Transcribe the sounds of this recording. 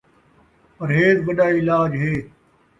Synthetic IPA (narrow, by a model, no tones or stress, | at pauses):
pɐɾɦeːt̪ʋəɗaːɪlaːd͡ʒɦeː